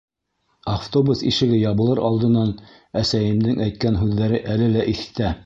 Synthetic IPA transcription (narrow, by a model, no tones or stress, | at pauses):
aft̪obusiʃɘ̆ɡɘjɑβɤ̆lˠɤɾʔɑlˠd̪ɤ̆nɑn | æsæjɘ̆md̪ɘŋʔæjt̪̚kænɦʉðːæɾɘʔælɘlæʔiθɘ̥̆t̪æ